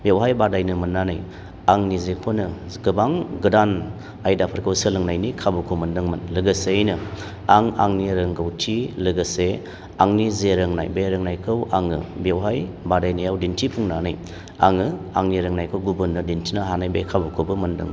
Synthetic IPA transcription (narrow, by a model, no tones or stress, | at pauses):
bewɦajbadajnɯmɯnːanaj | aŋnizekʰonɯ | ɡɯbaŋɡɯdan | ajdapʰɯɾkʰɯwsɯlɯŋnajnikʰabukʰowmɐndɯŋmɐnlɯɡɯsejnɯ | aŋa̰ŋniɾɐŋɡawtʰilɯɡɯse | aŋnizeɾɐŋna̰jbeɾɯŋnajkʰɯwaŋɯbewɦaj | badajnɯjawdintʰipʰuŋnanaj | aŋɯaŋniɾɯŋnajkʰɯwɡubɯnːɯdintʰinɯɦanajbekʰabukʰobɯmɐndɯ̰ŋman